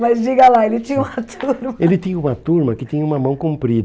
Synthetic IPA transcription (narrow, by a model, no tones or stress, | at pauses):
mɐzd͡ʒiɡɐlaelɪt͡ʃĩɲɐũmɐt̪ʰuɾmɐelɪt̪ĩɲɐũmɐt̪uɾmɐkɪt̪ĩɲɐumɐmɐ̃w̃kõpɾid̪